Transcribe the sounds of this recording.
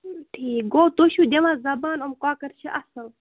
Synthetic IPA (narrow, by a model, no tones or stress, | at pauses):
ʈʰiːk̚ɡoːt̪oɕud̪ʲɐʋãːzɐbaːnomkaːkɐɾt͡ʃʰiʔɐsɐl